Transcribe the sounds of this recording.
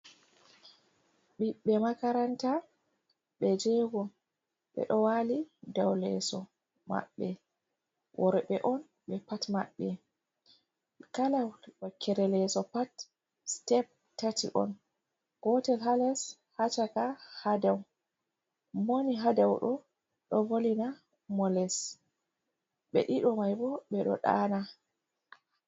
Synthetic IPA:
ɓiɓːɛmakaɾanta | ɓɛd͡ʒɛɡɔ | ɓɛ̰ɗɔwalidawlɛ̰sɔ | ma̰ɓːɛ | wʔɔɾɔɓɛʔɔn | ɓɛpatma̰ɓːɛ | kalawɗɔkʰɛɾɛlɛsɔpat | stɛp̚ | tatḭʔɔ̰n | ɡ̥ɔtɛlɦalɛs | hat͡ʃakahadɛw | moniɦadɛwɗɔ | ɗɔvolina | mɔlɛs | ɓɛ̰ɗiɗɔmajbɔɓɛɗɔ̰ɗa̰na

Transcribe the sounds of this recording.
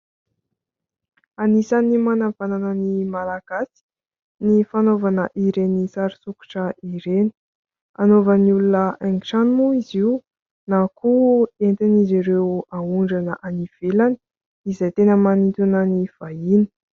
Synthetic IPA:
anisanimanav̥ananənimalaɡ̥asi̥ | nifanovanəʔiɾenisaɾisuku̥ʈ͡ʂəiɾeni̥ | anovənulunəʔɛŋɡiʈ͡ʂanimuiziw | nakʰuent̪aniziɾewauɳɖ͡ʐanəʔaniv̥elani̥ | izajt̪enəmanit̪unəniv̥aini̥

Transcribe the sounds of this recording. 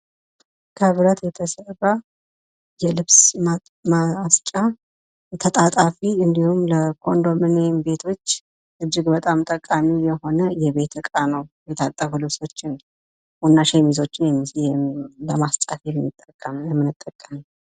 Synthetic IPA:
kʰəβɾət̪jɛt̪ʰəsəra | jɛlɨβs | mast͡ʃʼa | t̪ʰət̪ʼat̪ʼafiɨnd̪ihumləkʰo̞nd̪o̞mɨnembe̞t̪ʰo̞t͡ʃː | ʔɨd͡ʒːɪɡbət̪ʼamt̪ʼəkʼːamijɛho̞nəjɛβe̞t̪ʰɨkʼanəwjɛt̪ʰat̪ʼːəfulɨβso̞t͡ʃːɪn | wunːaʃemizo̞t͡ʃːɪnjɛmːi | ləmast̪ʼafijɛmːɨt̪ʼːəkʼːəmjɛmːɨnɨt̪ʼːəkʼːəmi

